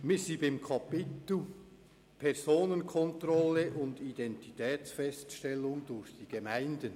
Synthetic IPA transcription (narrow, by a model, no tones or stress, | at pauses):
mɪsiːbɪmkʰɑpɪtl̩ | pʰɛʁzoːnənkʰɔntrɔləʔʊndidɛntitʰɛːt͡sfɛstʃtɛlːʊŋdʊɾçd̥iːɡ̥emaɪndən